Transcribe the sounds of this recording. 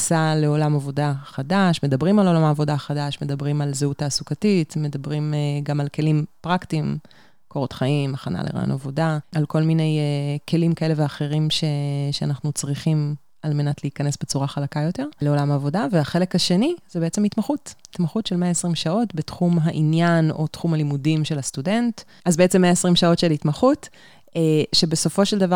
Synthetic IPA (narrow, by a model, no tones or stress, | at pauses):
sale̞o̞lamavo̞daχadaʃme̞dabʁimalo̞lamaːvo̞daχadaʃme̞dabʁimalzeutaːsukatitme̞dabʁimɡamalke̞limpʁaktim | kʰo̞ʁotχaimaχana̰lḛʁa̰jo̰na̰vo̞daalko̞lmine̞jke̞limkae̞le̞veaχe̞ʁimʃe̞ʃeanaχnut͡sʁiχim | alme̞natleikɐnesbe̞t͡suʁaχalakajo̞te̞ʁle̞o̞lamaːvo̞daveaχe̞lekhaʃe̞nizebeet͡se̞mitmaχutitmaχutʃelmeaesʁimʃao̞tbetχumɦaʔinjano̞tχumhalimudimʃelhastude̞nt | azbeet͡semeaesʁimʃao̞tʃelitmaχut | eʃebeso̞fo̞ʃeldava